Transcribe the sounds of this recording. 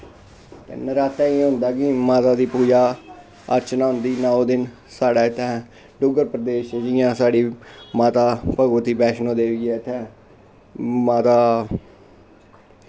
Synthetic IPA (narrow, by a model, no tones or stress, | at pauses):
t̪ḛnəɾaːt̪ɛːiːɦʊ̃nd̪aːkɪmaːt̪aːd̪iːpuːd͡ʒaː | ə̰ɾt͡ʃnaːɦʊnd̪iːnaõd̪ɪn | saːɽaːɪt̪ʰːɛ̃ː | ɖʊɡəɾpɾəd̪eːʃd͡ʒɪjãːsaːɽiːmaːt̪aːpəɡʋət̪iːbɛːʃnõːd̪eːɡɛːɪt̪ʰːɛ̃ː | maːt̪aː